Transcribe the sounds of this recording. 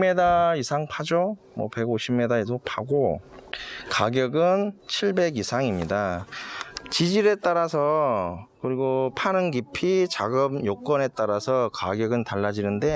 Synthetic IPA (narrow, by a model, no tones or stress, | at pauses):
me̞daisʰaŋpʰad͡ʑo | mwʌ̰pe̞ɡoɕʰimmːe̞daedopʰaɡo | kaɡjʌɡɯnt͡ɕʰiɭbe̞ɡisʰaŋimɲida | t͡ɕid͡ʑiɾe̞t͈aɾasʰʌkɯɾiɡopʰanɯŋɡipʰit͡ɕaɡɯmjok͈ʌne̞t͈aɾasʰʌkaɡjʌɡɯntaɭːad͡ʑinɯnde̞